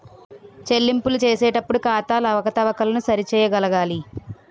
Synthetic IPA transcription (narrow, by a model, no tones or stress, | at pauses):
t͡ʃe̞lːimpulut͡ʃeːsɛːʈɐpːuɽukaːt̪aːlɐʋɐkɐt̪ɐʋɐkɐlɐnusɐɾit͡ʃɛːjɐɡɐlɐɡaːli